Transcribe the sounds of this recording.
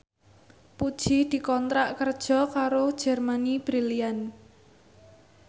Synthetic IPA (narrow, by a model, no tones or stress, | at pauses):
pud̥ʒ̥ihd̪̥i̤kɔnt̪ɾaʔkərd̥ʒ̥ɔ̤kaɾo̥ʒ̥ɛrmanib̥ɾilian